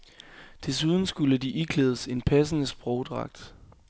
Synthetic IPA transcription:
d̥e̝suð̞ˠn̩sɡ̥uləd̥iʔiɡ̥ʰleːð̞ˠəse̝npʰæsənəsb̥ʁɔʊd̥ʁɑ̈ɡ̥̚d̥

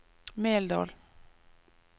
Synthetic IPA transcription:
meːld̪ɑ̰ːl

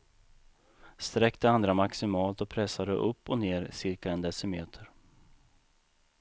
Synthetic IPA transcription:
st̪ɾɛkt̪əand̪ɾamaksɪmɑːlt̪ɔpʰɾɛsːad̪ə̰ʔɵpːɔneːɾsɪɾkaɛnd̪ɛsəmeːt̪ʰəɾ

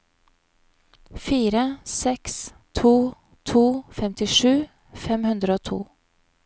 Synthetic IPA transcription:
fiːɾəsɛks | t̪ʰuː | t̪ʰuːfɛmt̪ɪʂʉː | fɛmhʉnd̪ɾəoːt̪ʰṵː

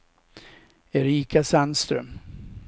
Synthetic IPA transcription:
ɛɾiːkasanst̪ɾœ̰m

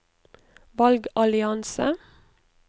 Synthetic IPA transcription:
ʋɑlɡɑlɪɑnsə̰

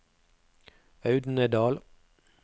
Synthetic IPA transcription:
ɑʉd̪n̩əd̪ɑːl

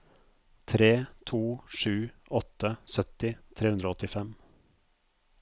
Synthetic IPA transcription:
t̪ʰɾeːt̪ʰuːʂʉːʔɔt̪əsœt̪ɪt̪ʰɾeːʉnd̪ɾoɔt̪ɪfɛm

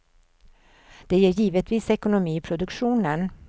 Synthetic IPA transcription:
d̪̥ɛjeːɾjiːvət̪viːsɛkʊnʊmiːpʰɾʊd̪ɵkɧuːnən

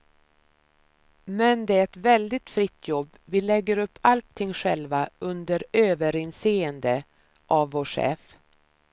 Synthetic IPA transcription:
mɛnd̪ɛæɾɛt̪vɛld̪ɪt̪fɾɪt̪ʰːjɔbːvɪlɛɡːəɾɵpʰːalt̪ʰːɪŋːɧɛlvaɵnd̪əɾøːvəɾɪnseːənd̪ə | ʔavːoːʂɛ̰ːf

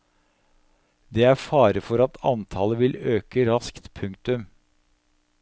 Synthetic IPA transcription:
d̪eːæfɑːɾəfɔɾɑt̪ʰɑ̰nt̪ʰɑləʋɪløːkəɾɑskt̪pʰʉŋkt̪ʉm

